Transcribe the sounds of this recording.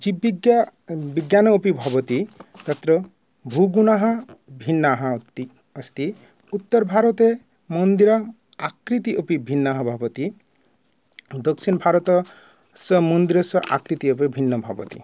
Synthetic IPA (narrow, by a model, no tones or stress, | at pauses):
d͡ʒibiɡbiɡjanɔopibʱɔbɔt̪it̪ɐt̪ɾɔ | bʱuɡunaɦɔbʱinːaɦɐ̃t̪i | əst̪i | ut̪ːɔɾbʱaɾɔt̪e | mɔnd̪iɾɔ | akɾit̪iʔopibʱinːaɦɔbʱɔbɔt̪i | d̪ɔksinbʱaɾɔt̪ɔ | sɔmɔnd̪iɾɔsɔʔa̰kɾit̪iopibʱinːɔbʱɔ̰bɔ̰t̪ḭ